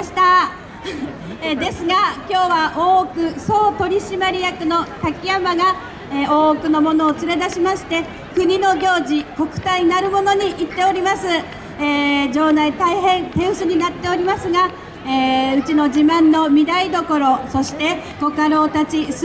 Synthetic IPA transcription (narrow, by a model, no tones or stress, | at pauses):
ɕi̥t̪a | ed̪e̞sɨɡakʲo̞ːβaʔoːkɯ̟so̞ːt̪o̞ɾʲiɕimaɾʲijakɯ̟no̞t̪akʲijamaɡa | eoːkɯ̟no̞mo̞no̞ːt͡sɨɾe̞d̪aɕimaɕi̥t̪e̞ | kɯ̟ɲ̟ino̞ɡʲo̞ːʑiko̞kɯ̟̥t̪aɲ̟inaɾɯ̟mo̞no̞ɲ̟iʔit̪ːe̞o̞ɾʲimasɨ | eːd͡ʑo̞ːd̪ait̪aiɦẽ̞nt̪ẽ̞ɰ̃sɨɲ̟inat̪ːe̞o̞ɾʲimasɨɡa | eːɯ̟t͡ɕino̞ʑibãnːo̞mʲid̪aid̪o̞ko̞ɾo̞so̞ɕi̥t̪e̞ko̞kaɾo̞ːt̪at͡ɕis